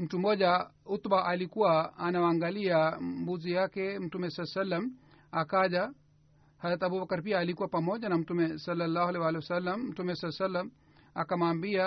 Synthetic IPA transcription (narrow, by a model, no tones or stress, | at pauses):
m̩tumɔʄaut̪baʔalikuwaːnawaŋɡaliambuzijakɛm̩tumɛsalːasalːam | akaʄa | haðɾat̪abubakaɾpiaːlikuwapamɔʄanam̩tumɛsɔlːalːaːhalɛwaːlɛwasalːamm̩tumɛsalasalːam | akamaːmbia